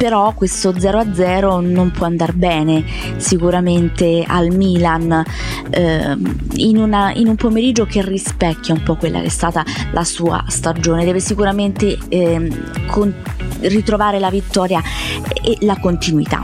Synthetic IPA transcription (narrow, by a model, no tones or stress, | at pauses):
peɾɔkːwest̪od̪zɛːɾoad̪zːɛːɾonompwɔand̪arbɛːne | sikuɾament̪ea̰lmiːlan | inunaḭnumpomeɾid͡ʒːokerːispɛkːjaumpɔkːwelːa̰k̟eɛst̪aːt̪alʔasuːa̰st̪ad͡ʒoːned̪ɛːvesikuɾament̪e | kʰonrit̪ɾovaːɾelavit̪ːɔːɾjaelakont̪inwit̪a̰